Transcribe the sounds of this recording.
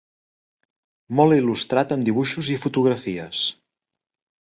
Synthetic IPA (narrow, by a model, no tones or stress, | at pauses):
mɔlˠilust̪ɾat̪əmd̪iβuʃuzifut̪uɣɾəfiəs